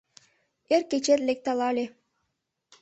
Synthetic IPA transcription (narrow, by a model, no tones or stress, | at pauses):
erket͡ɕerlʲek̚t̪ɑlɑlʲe